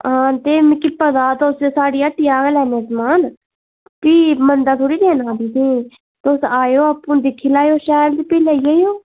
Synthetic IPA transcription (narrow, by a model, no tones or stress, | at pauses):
ɦãːt̪eːmkɪpəd̪aːt̪ossaːɽiːəʈːiːaːɡlɛːneːsmaːn | piːmənd̪aːt̪ʰoːɽiːd̪eːnãːd̪iːsiː | t̪osaːjoːapːũːd̪ɪkʰːiːlaːjoːʃɛːld̪ipiːlaiːəːjoː